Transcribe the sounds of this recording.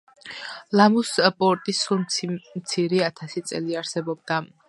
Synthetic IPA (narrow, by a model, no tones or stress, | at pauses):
lamuspʼɔɾt̪ʼisulmt̪sʰiɾiat̪ʰasit̪sʼɛ̰liaɾsɛbɔb̚d̪a